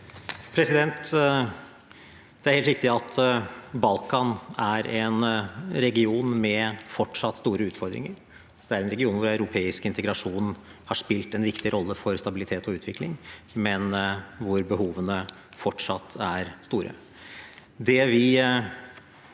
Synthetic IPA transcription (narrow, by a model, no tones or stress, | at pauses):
pʰɾɛsɪd̪ɛnt̪ | d̪̥ɛæɾhɛːlt̪ɾɪkt̪ɪɑt̪ʰbɑlkɑnæɾɛnɾɛɡɪuːnmɛfɔʈʂɑt̪ːst̪uːɾəʉːt̪fɔɾd̪ɾɪ̰ŋəɾ | d̪̥ɛæɾɛnɾɛɡɪuːnʋʊɾɑʉɾʊpʰeːɪskɪnt̪əɡɾɑʂuːnhɑʂpɪlt̪ɛnʋɪkt̪ɪɾʔɔlːəfɔɾst̪ɑbɪlɪt̪ʰeːt̪ɔʉːt̪ʋɪklɪŋmɛnʋʊɾbəɦuːʋənə | fɔʈʂɑt̪ʰːæɾst̪uːɾə̰ | d̪ɛʋɪ